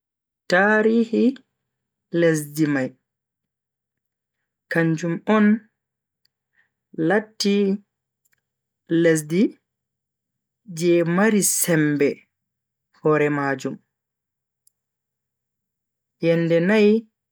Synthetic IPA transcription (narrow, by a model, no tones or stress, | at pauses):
taːɾihi | les̬dimaj | kaɲd͡ʒumɔn | latːi | les̬di | d͡ʒɛmaɾisɛmbɛ | hɔɾɛmad͡ʒum | jɛndɛnaj